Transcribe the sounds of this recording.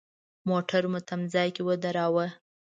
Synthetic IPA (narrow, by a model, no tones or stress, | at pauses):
moʈaɾmʊt̪amzɑjkewəd̪aɾɑwə